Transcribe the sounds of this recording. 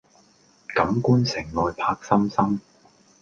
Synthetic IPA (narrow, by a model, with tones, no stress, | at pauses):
kɐ˨˥mkuː˥nsɪ˨˩ŋlɔː˨˧jpʰaː˧k̚sɐ˥msɐ˥m